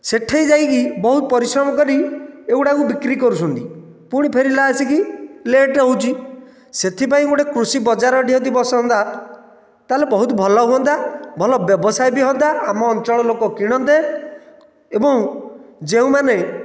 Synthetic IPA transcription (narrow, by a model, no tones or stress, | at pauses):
seʈʰejd͡ʒajkibɔɦut̪ɔpɔɾisɾɔmɔkɔɾieuʈakubikɾikɔɾusʰɔnt̪i | puɽ̃ipʰeɾilaasikileʈɦowt͡ʃʰi | set̪ʰip̬aĩɡoʈekɾusibɔd͡ʒaɾɔɖiɦɔd̪ibɔsɔɦɔnt̪a | t̪alebɔɦut̪ɔbʱɔlɔɦuɔnt̪abʱɔlɔbjɔbɔsajbiɦɔnt̪aamɔːnt͡ʃɔɭɔlokɔkiɽ̃ɔnt̪e | ebɔ̃ŋd͡ʒeũmane